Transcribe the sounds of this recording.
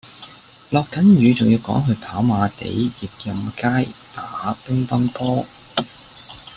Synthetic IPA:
lɔː˨kːɐ˨˥njyː˨˧t͡sʊ˨ŋjiː˧wkɔː˨˥ŋɦɵ˨˧p̪ʰaː˨˥wmaː˨˧t̪ḛ˨˥jjɪ˨˩k̚jɐ˧mkaː˥jt̪aː˨˥˦pʊ˥ŋp̪ɐ˥mt̪ɔː˥

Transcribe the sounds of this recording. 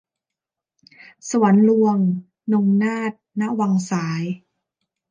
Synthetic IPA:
su˨˩˦ənlu˧əŋ | no˧ŋnaː˥˩t̪̚na˦˥wa˧ŋsaː˩˦j

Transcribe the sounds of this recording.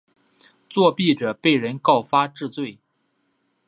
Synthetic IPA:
t͡swɔ˥˧pi˥˩ʈ͡ʂɤ˨˩pe˥˩ɪɻə˧˥nkɑ˥˩ʊfa˥ʈ͡ʂɻ̩˥˧t͡swe˥˩ɪ

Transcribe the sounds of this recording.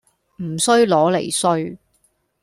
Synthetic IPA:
m̩˨˩sɵ˥ɥlɔː˨˥le˨˩jsɵ˥ɥ

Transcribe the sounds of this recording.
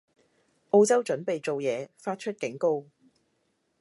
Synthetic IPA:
ʔo˧wt͡sɐ˥wt͡ʃɵ˨˥npe˨jt͡so˨wjɛː˨˧faː˧t̚t͡ʃʰɵ˥t̚kɪ˨˥ŋko˥w

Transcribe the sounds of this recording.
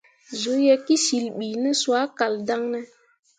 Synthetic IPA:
zo˨˦je˦ki˦si˨lɓiː˨nɛ˦swa˨˦ka˨lda˦ŋnɛ˦

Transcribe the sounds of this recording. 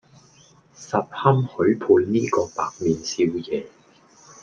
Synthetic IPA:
sɐ˨p̚hɐ˥mhɵ˨˥ɥpʰuː˧nniː˥kɔː˧paː˨k̚miː˨nsiː˧wjɛː˨˧

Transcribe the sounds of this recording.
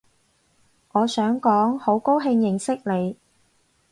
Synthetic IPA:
ʔɔː˨˧sœː˨˥ŋkɔː˨˥ŋho˨˥wko˥wɦɪ˧ŋjɪ˨˩ŋsɪ˥k̚le˨˧j

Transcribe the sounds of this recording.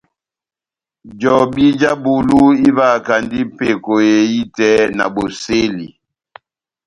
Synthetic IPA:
d͡ʒɔ˨bi˦d͡ʒa˦bu˨lu˦i˦va˦˨ka˨ndi˦pe˦˨ko˨je˨i˦tɛ˦na̰˨bo˨se˦li˨

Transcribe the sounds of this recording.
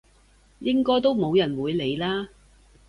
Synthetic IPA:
jɪ˥ŋkɔː˥jt̪o˥wmo˨˧wjɐ˨˩nwuː˨˧jle˨˧jlaː˥

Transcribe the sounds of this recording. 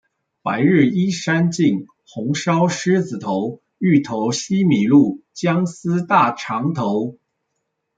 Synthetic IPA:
pa˧˥ɪɻ̩˥˩i˥ʂa˥nt͡ɕi˥˩ŋ | xʊ˧˥ŋʂɑ˥ʊʂɻ̩˥d͡zɹ̩˨˩t̪ʰo˧˥ʊ | y˥˩t̪ʰo˧˥ʊɕi˥mi˨˩lu˥˩t͡ɕjɑ˥ŋsɹ̩˥t̪a˥˩ʈ͡ʂʰɑ˧˥ŋt̪ʰo˧˥ʊ

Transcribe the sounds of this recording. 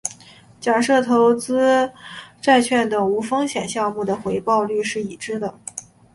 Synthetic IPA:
t͡ɕja˨˩ʂɤ˥˩t̪ʰo˧˥ʊt͡sɹ̩˥ | ʈ͡ʂa˥˧ɪt͡ɕʰɥɛ˥˩nt̪ɤ˨˩ŋu˧˥fɤ˥ŋɕjɛ˨˩nɕjɑ˥˧ʊmu˥˩d̪ə˩xwe˧˥ɪpɑ˥˧ʊly˥˧ʂɻ̩˥˩i˨˩ʈ͡ʂɻ̩˥d̪ə˨˩

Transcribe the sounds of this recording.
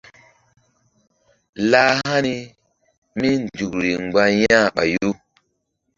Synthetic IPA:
laː˦ɦa˦ni˦ | mi˦n˨du˨kɾi˨ŋ͡mɡ͡ba˦jã˦˨ɓa̰˨jo˦

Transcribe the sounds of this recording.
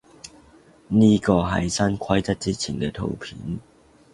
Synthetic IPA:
niː˦˥kɔː˧ɦɐ̰˨˩jsɐ˥nkʰɐ˥jt͡sɐ˥t̚t͡siː˦˥t͡sʰi˨˩nkɛː˧t̪ʰo̰˨˩wpʰiː˨˦n

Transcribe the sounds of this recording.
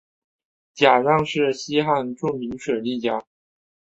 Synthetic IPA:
t͡ɕja˨˩ɻɑ˥˧ŋʂɻ̩˥˩ɕi˥xa˥˧nʈ͡ʂʊ˥˩ŋmi˧˥ŋʂwe˨˩ɪli˥˩t͡ɕja˨˩

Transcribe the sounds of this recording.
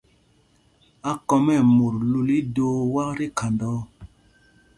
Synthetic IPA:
a˦kɔ˧mɛ˦˨mo˨ɾlu˨li˦doː˦wa˦kɾi˦kʰa˨ndɔː˦

